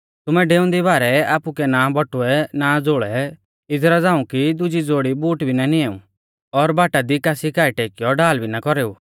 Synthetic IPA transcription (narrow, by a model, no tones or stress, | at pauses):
t̪ʊmɛɖeːʊ̃nd̪ibaːɾɛaːpukɛnabɔʈʊɛnad͡zoːɭɛ | ɪd͡zɾad͡zãːũkid̪ʊd͡ʒid͡zoːɽibuːʈbʱinanieːṵ̃ | ɔɾbaːʈad̪ikaːsikaːiʈeːkijɔɖaːlbʱinakɔɾeːṵː